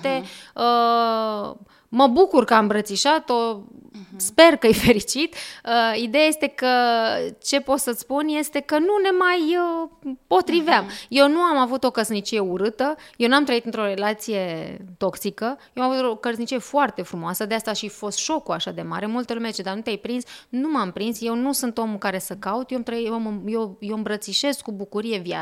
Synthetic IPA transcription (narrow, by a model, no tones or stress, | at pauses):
t̪eə | məbukurkəambɾət̪siʃat̪o̞ | spe̞rkəjfe̞ɾit͡ʃit̪əid̪e̞jaje̞st̪e̞kət͡ʃe̞po̞t̪sət̪spunje̞st̪e̞kənune̞majəpo̞t̪ɾiveamje̞wnuamavut̪o̞kəsnit͡ʃije̞uɾɨt̪əjewnuamt̪ɾəit̪ɨnt̪ɾo̞ɾe̞lat̪sije̞t̪o̞ksikəjeoamavut̪okəɾznit͡ʃije̞foart̪e̞fɾumoasəd̪east̪aʃifo̞st̪ʃo̞kuaʃad̪e̞ma̰ɾe̞mult̪əlumeet͡ʃed̪arnut̪eajpɾinsnumampɾinsje̞wnusunt̪omukaɾe̞səkaut̪joamt̪ɾəitməjewjewɨmbɾət̪siʃe̞skːubukuɾije̞vja̰